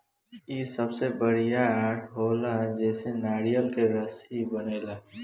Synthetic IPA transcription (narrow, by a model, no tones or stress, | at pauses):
isəbsebəɽijaːɾʈʰɦolaɦd͡ʒɛːsenaːɾijəlkeɾəsibəneːlaɦ